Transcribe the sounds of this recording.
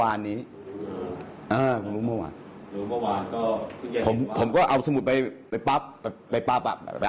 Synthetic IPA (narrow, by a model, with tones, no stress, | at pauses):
aː˧nːiː˦˥ | ʔɤː˧˩kʰu˧nɾuː˦˥mɔ˧˩wa̰ː˧˩n | uː˦˥mɔ˧˩waː˧nkɔː˥˩˧pʰo˩˦mpʰo˩˦mkɔː˥˩ʔa˧wsa˧mu˨˩t̪̚pa˧jpa˧jpa˦˥p̚ːa˧pa˧jpa˦˥p̚a̰˧˩˧a˧